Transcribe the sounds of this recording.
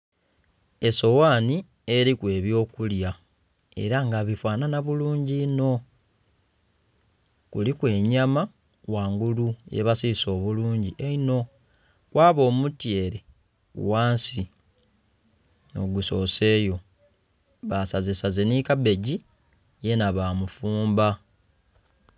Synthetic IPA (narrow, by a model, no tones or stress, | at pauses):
e̞so̞waːni | e̞ɾikwe̞ːβjo̞ːkulja | e̞̰ɾaŋɡaβifwaːnanaβuluːɲɟino̞ | kulikwe̞ːɲama | waːŋɡulujḛβasiso̞ːβuluːɲɟiʔeino̞ | kwaːβo̞ːmutje̞ɾḛ | waːnsi | no̞ɡuso̞se̞ːjo̞ | βasazisazenikabe̞ɟi | je̞naβamufuːmba